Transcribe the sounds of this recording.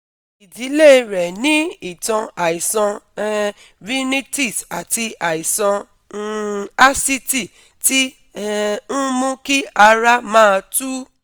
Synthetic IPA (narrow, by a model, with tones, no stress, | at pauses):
i˨di˨˦le˦˧ɾɛ˨nĩ˦i˦˨tɔ̃˧a˨i˨sɔ̃˧˦ | ɾi˦ni˦ti˦˨sa˨ti˧a˨i˨sɔ̃˧˦ | a˦si˦ti˦˨ | ti˦ | ñ̩˦mõ˦ki˦a˧ɾa˦mãː˦˧tu˦